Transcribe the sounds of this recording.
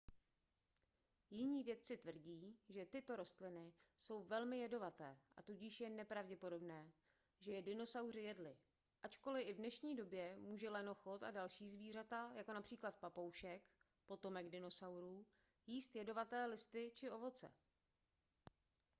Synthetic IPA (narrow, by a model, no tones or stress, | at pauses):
jɪɲiːvjɛt̪̚t͡sɪt̪vr̩ɟiːʒɛt̪ɪt̪o̞ɾo̞st̪lɪnɪso̞wvɛlmɪjɛdo̞vat̪ɛːʔa̰t̪uɟɪʃjɛnɛpɾavɟɛpo̞do̞bnɛː | ʒɛjɛdɪno̞sawr̝ɪjɛdlɪ | ʔat͡ʃko̞lɪʔɪvdnɛʃɲiːdo̞bjɛmuːʒɛlɛno̞xot̪a̰dalʃiːzviːr̝at̪ajako̞napr̥iːklat̪̚papo̞wʃɛk | po̞t̪o̞mɛɡdɪno̞sawɾuː | jiːst̪jɛdo̞vat̪ɛːlɪst̪ɪt͡ʃɪʔo̞vo̞t͡sɛ̰